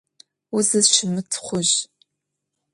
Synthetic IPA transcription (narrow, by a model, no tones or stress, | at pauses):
ʊzɨzʃɪmɨtʰχʷʊʑ